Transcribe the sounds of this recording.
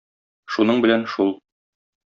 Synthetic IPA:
ʃunɤɴbɘ̆lænʃulˠ

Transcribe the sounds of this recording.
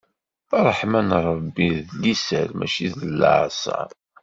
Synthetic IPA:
θɑɾˤəħmænɾˤəbːiðlisəɾmæ̰ʃiðəlːə̰ʕsɑ̰

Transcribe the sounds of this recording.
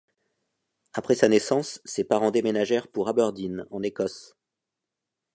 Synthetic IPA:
apχɛsanɛsɑ̃sːepaʁɑ̃d̪emenaʒɛʁpuʁabœʁd̪inɑ̃nekɔs

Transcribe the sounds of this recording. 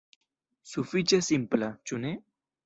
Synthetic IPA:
sufit͡ʃesimplat͡ʃune

